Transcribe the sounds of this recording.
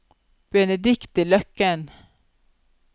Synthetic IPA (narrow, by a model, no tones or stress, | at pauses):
b̥ɛnɛd̪ɪkt̪ɪlœkːən